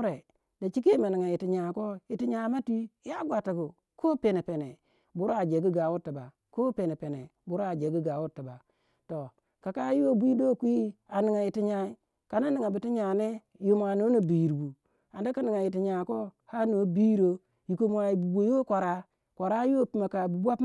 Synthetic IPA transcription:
ɾe˨ | da˨t͡ʃi˦ke˦ma˨ni˨ŋa˨ji˨ti˨ɲa˨ko˦i˨ti˦ɲa˨˦ma˦ti˦ja˦ɡʷa˨ta˨ɡu˨ | kʰo˦pe˨ne˨pe˨ne˨ | bu˦ɾa˨d͡ʒe˨ɡu˦ɡa˨wu˦ti˨ba̰˨ | ko˦pe˨ne˨pe˨nḛ˨bu˨˦ɾa˨d͡ʒe˨ɡi˦ɡa˨˦wu˦tːi˨ba˨ | to˨ | ka˨ka˦jo˦bʷi˦do˦˨kʷi˦i˦a˨ni˨ŋa˨ji˨ti˦ɲa˨i˦ | ka˨na˦ni˨ŋa˨bi˨ti˦ɲa˨ne˦ | jo˨m˨a˨no˦no˨bi˨ji˨ɾbu˨ | a˨nda˦ka˦ni˨ŋa˨ji˨ti˨ɲa˨ko˦ha˦no˨˦bi˦ɾo˦ | ji˨ko˨mʷ˨a˨i˨bu˨bo˨jo˦kʷa˨ɾa˨ | kʷa˨ɾa˦jo˦˨pi˨ma˨ka˨bu˨bʷa˦p

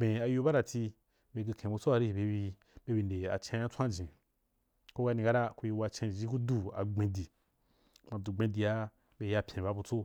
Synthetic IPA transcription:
ẽ˨a˧jo˧ba˦ɾa˨ti˧ | be˧ɡi˧kʰẽ˨bu˧t͡so˦a˧ɾi˦i˨be˧wi˧ | be˧wi˧nde˨a̰˨t͡ʃẽ˧˦ã˦t͡sʷã˦˨d͡ʒĩ˨ | ko˦ɡa˧nĩ˧ka˦ɾa˦ku˧ji˧wa˧t͡ʃẽ˧˨d͡ʒi˦ku˦du˦a̰˨ɡ͡bẽ˧di˨ | mã˨˧du˨ɡ͡bẽ˧di˧ja˦ | be˧ja˧pʲjẽ˨ba˦bu˧t͡so˦

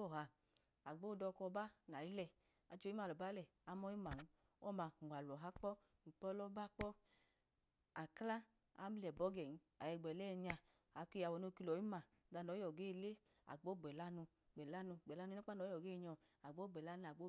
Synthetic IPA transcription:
ɔ˦˨ɦa˧ | a˨ɡ͡bo˦˨dɔ˧kɔ˧ba˦na˨i˦lɛ˧˨ | a˨t͡ʃo˧˦i˦ma˧lɔ˨ba˦lɛ˨ | a˨˦mɔ˦i˦ma˨n̩˦ | ɔ˦˨ma˧˨a˨lɔ˨ɦa˦k͡pɔ˦ | i˨pɔ˦lɔ˦ba˦k͡pɔ˦ | a˨kla˦ | a̰˦m˦lɛ˨bɔ˨˦ɡɛ˨n˦ | a˨jɛ˧˨ɡ͡bɛ˨lɛ˦ɲa˧ | a˨˦ke˧˦ja˨wɔ˨no˧ki˧lɔ˨˦i˦ma˧˨˦da˧nɔ˨˦jɔ˨ɡeː˦˧le˦ | a̰˨ɡ͡bo˦˨ɡ͡bɛ˨la˦nu˧ | ɡ͡bɛ˨la˦nu˧˨ɡ͡bɛ˨la˦nu˧˦a˦k͡pa˦nɔ˨˦jɔ˨ɡeː˦˧ɲɔ˧ | a˨ɡ͡bo˦ɡ͡bɛ˨la˦n˧˨a˨ɡ͡bo˦

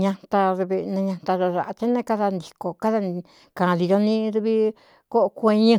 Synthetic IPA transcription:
ɲã˧t̪a˧ðβe˧nẽ˧ɲã˧t̪a˧ɾo˧ʐa˨ʔa˧t͡ʃe˦nẽ˦˧ka˦ða˧nd̪i˨˧ko˨ka˦ða˧ | kã˨˧li˧jo˧nĩ˦ðu˧βi˦ | ko˦ʔkʷẽ˧ɲɨ̃˧

